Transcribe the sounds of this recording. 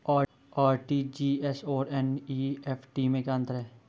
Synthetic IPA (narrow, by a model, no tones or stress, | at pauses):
aː | aːɾʈid͡ʒiːɛsoːɾɛniɛpʰʈimẽkãnt̪ɾɦɛː